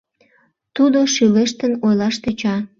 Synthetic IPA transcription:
t̪ud̪oʃyleʃt̪ənojlɑʃt̪et͡ɕɑ

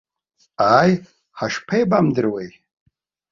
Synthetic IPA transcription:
aːj | ħaʂpʰejbamdɨrwej

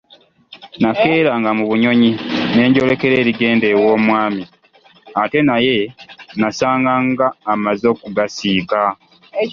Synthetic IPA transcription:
nake̞ːɾaŋɡamuβuɲo̞ɲine̞ːɲɟo̞le̞ke̞ɾeːɾiɡe̞ːnde̞wo̞ːmwaːmi | ate̞naje̞nasaːŋɡaŋɡaːmazo̞ːkuɡasiːka

